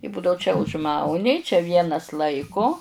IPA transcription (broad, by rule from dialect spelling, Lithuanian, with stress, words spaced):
ɪ ˈbʊdɐʊ t͡ʃʲɛ ʊʒˈmɐʊnʲɪ t͡ʃʲɛ ˈʋʲiɛnɐs ˈlˠɐɪkʊ